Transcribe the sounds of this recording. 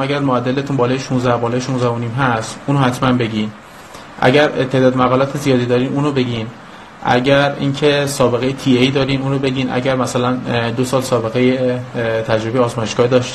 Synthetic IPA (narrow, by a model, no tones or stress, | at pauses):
æɡæɾmoæd̪ːelet̪ʰuːnbɒːlɒːjeʃuːnzæhbɒːlɒːjeʃuːnzæhoniːmɦæst̪ʔuːnohæt̪ʰmænbe̞ɟʲiːn | ʔæ̰ɟæɾt̪ʰe̞hd̪ɒːd̪mæɣɒːlɒːt̪ʰezijɒːd̪iːd̪ɒːɾiːmuːnɾobe̞ɟiːn | ʔæ̰ɟæɾḭːncʰe̞sɒːbe̞ɣe̞jet̪ʰiːejd̪ɒːɾiːmuːnɾobe̞ɟiːnʔæ̰ɟæɾmæsælænd̪osɒːlsɒːbe̞ɣejet̪ʰæd͡ʒɾoejeɒːzmɒːjeʃɡɒːd̪ɒʃt̪